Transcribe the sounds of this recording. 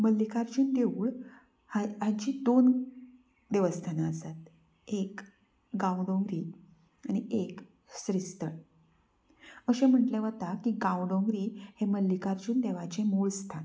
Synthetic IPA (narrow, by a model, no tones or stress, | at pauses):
məlːikaɾd͡ʑuːnd̪euːɭ | haɲt͡ɕiːd̪on | d̪eʋəst̪ʰanaəsat̪ | ek | ɡãwɖõŋɡɾiː | aɽ̃iʔek | sɾist̪əɳ | əɕẽm̤əʈleʋət̪akiɡãwɖõŋɡɾiːheməlːikaɾd͡ʑuːnd̪eʋat͡ɕemuɭst̪ʰan